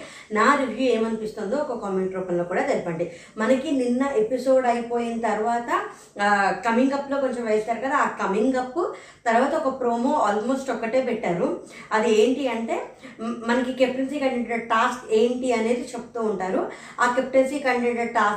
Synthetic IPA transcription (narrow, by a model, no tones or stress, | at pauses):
naːɾiʋʱjuːeːmɐnipist̪ond̪oːɔkɐkaːmeɳʈɾoːkɐnlo̞ːkuːɽaːt̪eɾipɐɳɖi | mɐnɐkininːɐʔe̞piso̞ːɖɐjpo̞ːjinɐt̪ɐɾuʋaːt̪ɐ | kɐmiŋɡɐpːlo̞ːkont͡ʃɐmʋɐjɐst̪aːɾukɐd̪aːaːkɐmiŋɡɐpːu | t̪ɐɾʋaːt̪ɐɔkɐpɾo̞ːmo̞ːaːlmo̞ːsʈɔkːɐʈe̞ːpɛʈːaːɾu | ɐd̪ie̞ːɳʈiɐɳʈe̞ːmɐnɐkikep̚ʈens̬iːkɐɳɖeɳʈɐʈaːske̞ːɳʈiɐne̞ːd̪it͡ʃepːu̥t̪uːɳʈaːɾu | aːkep̚ʈensiːkɐɳeɖɐʈaːs